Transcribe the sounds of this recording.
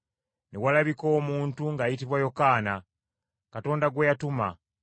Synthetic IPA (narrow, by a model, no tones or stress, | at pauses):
newalaβiko̞ːmuːntuŋɡaːjitiβwajo̞kaːna | kato̞ːndaɡwejatuma